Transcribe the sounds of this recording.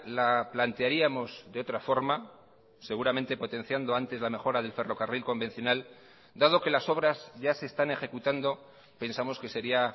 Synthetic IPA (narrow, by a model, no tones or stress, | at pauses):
laplant̪eaɾiamo̞zðeo̞t̪ɾafo̞ɾma | se̞ɣuɾamẽnt̪e̞po̞t̪ẽ̞n̟θjand̪o̞ant̪e̞zlame̞xo̞ɾaðe̞lfe̞ro̞karilko̞mbe̞n̟θjo̞nal | d̪aðo̞ke̞laso̞βɾazʝase̞ːst̪ane̞xe̞kut̪and̪o̞ | pe̞nsamo̞ske̞se̞ɾia